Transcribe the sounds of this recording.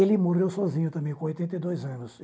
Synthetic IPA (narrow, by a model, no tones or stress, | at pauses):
elɪmoɾewsɔzĩɲʊt̪ɐ̃mbẽj̃kõojt̪ẽnt̪ejd̪ojzɐ̃nʊs